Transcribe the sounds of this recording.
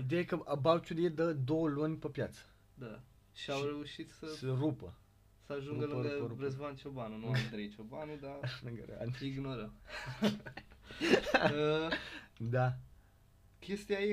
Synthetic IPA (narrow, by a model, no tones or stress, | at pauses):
id̪eaekəʔabawt͡ʃuljed̪əd̪o̞wəlunʲpepjat̪sə̥ | d̪a | ʃiawɾe̞uʃit̪səsərupə | səaʒuŋɡəlɨɡəɾuɾesvant͡ʃobanunuamd̪ɾejt͡ʃobanud̪alɨŋɡəɾ̰a̰niɡnoɾə | ə | d̪a | kʲʰest̪iaje